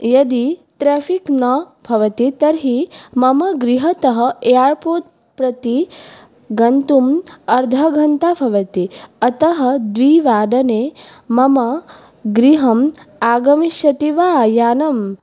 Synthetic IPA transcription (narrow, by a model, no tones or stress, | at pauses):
jɐd̪it̪ɾeːfʰiknɐ | bʱɐʋɐt̪it̪ɐɾɦimɐmɐɡɾiɦɐt̪ɐɦɐ̆eːaːɾpoːt̪̚ | pɾɐt̪i | ɡɐnt̪umɐɾd̪ʱɐɡʱɐnt̪abʱɐʋɐt̪iɐt̪ɐɦɐd̪ʋiːʋaːɖ̪ɐneː | mɐmɐ | ɡɾiɦɐmaːɡɐmiʃɐt̪iʋaːjaːnɐm